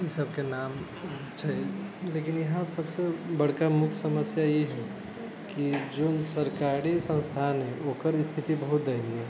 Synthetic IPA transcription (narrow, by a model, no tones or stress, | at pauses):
isəbkenam | t͡ʃʰailekinjəɦãsəbsebəɽ̤kamukʰsəməsjajeɦɛ | kid͡ʒoːnsəɾkaɾisə̃nst̪ʰanɦɛ̃ʔoːkəɾst̪ʰit̪ibəɦut̪̚d̪əɪliɛ